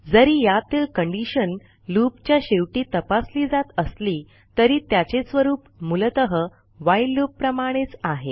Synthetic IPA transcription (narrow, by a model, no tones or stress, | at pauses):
d͡zəɾiːjat̪ilkəɳɖiɕən | lupt͡ɕjaɕeʋʈiːt̪əpasliːd͡zat̪əsliː | t̪əɾiːt̪jat͡ɕesʋəɾuːpmult̪əɦə | ʋajlupːɾəmaɽ̃et͡saɦe